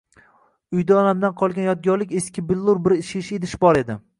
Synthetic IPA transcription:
ʊjd̪aɒnamd̪anqʰɒlˠɡʲanjɒt̪̚ɡʲɒɾlɪkʲe̞skʲʰɪbɪlˠːuɾbɪɾɪʃiʃed̪ɪʃbɒɾe̞d̪ɪ

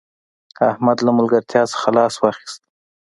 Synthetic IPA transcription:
ahmad̪lamʊlɡaɾt̪ʰjɑsə̥xalɑswɑxi̥st̪

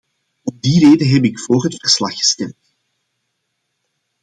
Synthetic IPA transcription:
ɔmdiːreːdəɦɛpɪkfoːrɦətfərslɑxːə̥stɛmt

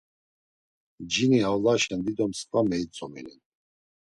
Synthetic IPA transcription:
d͡ʒiniawlaʃɛnd̪id̪ɔmskʼvamɛit͡sʼɔmɛlɛn

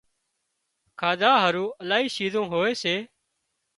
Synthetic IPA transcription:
kʰaːd̪aːɦəɾũːəlaːɦiːʃiːzõːɦoːeːseː

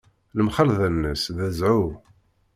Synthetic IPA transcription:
ləmχəlðænːəsðæzʕu

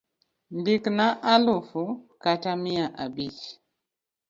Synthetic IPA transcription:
nbiknaʔalufukatamiaʔabit͡ʃ

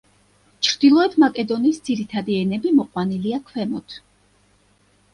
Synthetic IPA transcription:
t͡ʃʰɾd̪̥ilˠɔɛt̪ʰmakʼɛd̪ɔniːsd̪ziɾit̪ʰad̪iɛnɛbimɔqʼwaniliakʰwɛmɔt̪ʰ

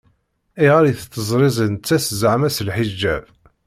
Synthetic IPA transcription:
iʁaɾjiθət͡s̪ːəzˤɾˤɪzˤənt͡sːæsəzaʕmæsəlħid͡ʒːæv

